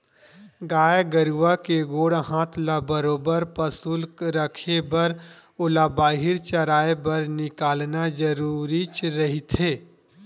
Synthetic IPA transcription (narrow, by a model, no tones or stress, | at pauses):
ɡaːjɡəɾuʋakeɡoːɽɦãːt̪ʰlabəɾoːbəɾpəsulkɾəkʰebɐɾ | ʊlabaːɦɪɾt͡ʃɐɾaːebɐɾnɪkaːlnad͡ʒəɾuːɾit͡ʃɾɐɦit̪ʰeː